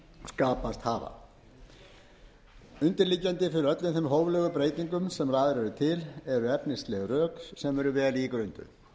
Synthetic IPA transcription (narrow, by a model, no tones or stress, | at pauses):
skaːpast̪haːva̰ | ʏnt̪ɪɾliːcːant̪ɪfɪɾɪɾœt̪lɪnθɛmɦowvlœːɣʏpɾeːjt̪iŋkʏmsɛmraːðɾɛɾʏt̪ʰɪlɛɾʏɛpnɪst̪lɛɣrœːkssɛmɛɾʏvɛːlikɾœɥnt̪ʏ̰